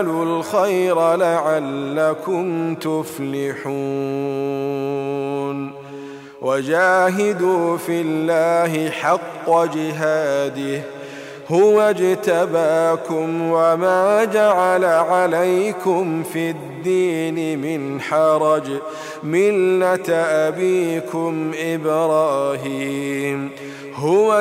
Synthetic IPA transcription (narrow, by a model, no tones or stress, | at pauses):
lulxajɾalaʕalːakʊmt̪ʊflɪħu | n | wad͡ʒaːɦɪd̪uːfɪlːaːɦɪħɑqːɑd͡ʒɪɦaːd̪ɪh | hʊwad͡ʒt̪abaːkʊmwamaːd͡ʒaʕalaʕalajkʊmfid̪ːiːnɪmɪnħɑɾˤɑd͡ʒ | mɪlːat̪ʔabiːkʊmʔɪbɾˤɑːɦiːm | hʊwa